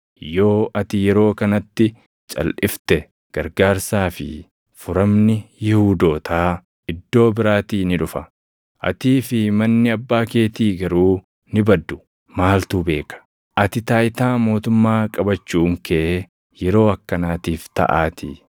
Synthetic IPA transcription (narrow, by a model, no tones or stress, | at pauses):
jo̞ːɐt̪ɪjɛɾo̞ːkɐnɐt̪ːɪ | t͡ʃʼɐ̰lʔɪft̪ɛ | ɡ̥ɐɾɡaːɾsaːfɪ̰ | fʊɾɐmnɪjɪhuːd̪o̞ːt̪ʰaː | ɪd̪ːo̞ːbɪɾaːt̪iːnɪᶑʊfɐ | ʔɐ̰t̪iːfɪmɐnːɪɐbːaːkeːt̪iːɡɐɾuː | nɪbɐd̪ːʊ | maːlt̪uːbe̞ːkɐ̥ | ʔɐt̪ɪt̪aːjɪt̪aːmo̞ːt̪ʊmːaːkʼɐbɐt͡ʃːuːŋkʰe | jɛɾo̞ːɐkːɐnaːt̪iːft̪ɐ̰ʔaːt̪ɪ̰